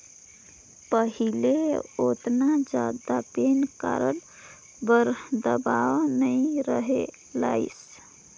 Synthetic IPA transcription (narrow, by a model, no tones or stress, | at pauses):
pəɦileot̪nad͡ʒad̪apenka̰ɾəl | bəɾd̪əbaʋnəɪɾəɦe | la̰ɪs